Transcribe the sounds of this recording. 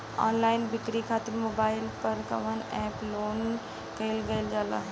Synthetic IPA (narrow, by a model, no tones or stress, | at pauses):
ɔ̰ːnlaɪnbɪkɾikʰaːt̪ɪɾmobaːɪlpəɾkə̰ʋənɛploːn | kɛɪlɡəɪld͡ʒaːla̰